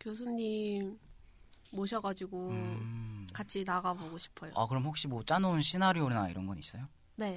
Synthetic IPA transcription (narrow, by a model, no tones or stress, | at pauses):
kjos̬ʰuɲːimː | oɕʰʌɡad͡ʑiɡo | kat͡ɕʰinaɣaboɡoɕʰi̥pʰʌjo̰a̰kɯɾʌmɦhok̚ɕ͈imwʌt͡ɕ͈anounɕʰinaɾionaḭɾʌnɡʌnis͈ʌjo | ne̞